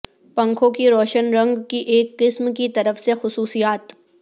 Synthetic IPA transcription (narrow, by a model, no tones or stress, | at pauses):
pɐ̃ŋkʰõkiɾɔːʃənɾɐ̃ŋɡkiʔeːkːɪsmkit̪ɐɾəfsexʊsuːsijaːt̪